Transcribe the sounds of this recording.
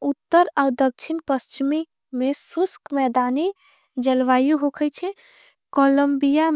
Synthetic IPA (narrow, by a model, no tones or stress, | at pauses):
ut̪ːəɾad̪ək̚t͡ʃʰinpəst͡ʃimi | mesuskmɛd̪ani | d͡ʒəlʋajuɦokʰəjt͡ʃʰɛ | koləmbija